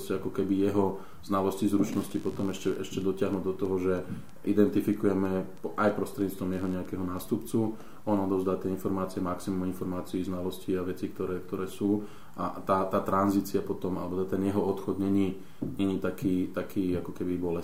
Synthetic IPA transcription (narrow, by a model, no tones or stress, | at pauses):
scɛakɔkɛbijɛɦɔ | z̥nalɔscizɾut͡ʃnɔscipɔt̪ɔmɛʃcɛʔɛʃcɛd̪ɔcɪaɦnuːd̪ɔt̪ɔɦɔʒɛ | ʔid̪ɛnt̪ifikujɛmɛpʔajpɾɔst̪ɾɛdɲiːt͡st̪ʋɔmjɛɦɔɲɛakɛɦɔnaːst̪upt͡su | ʔɔnɔd̪ɔʊzd̪aːt̪ɪɛinfɔɾmaːt͡siɛmaksimuminfɔɾmaːt͡siːznalɔsciaʋɛt͡sik̚t̪ɔɾɛːk̚t̪ɔɾɛːsuː | ʔa̰t̪aːt̪aːt̪ɾanziːt͡siapɔt̪ɔma̰lɛbɔt̪t̪ɛnjɛɦɔɔt̪xɔd̪ɲɛɲi | ɲɛɲit̪akʰiːt̪akʰiːakɔkɛbibɔlɛ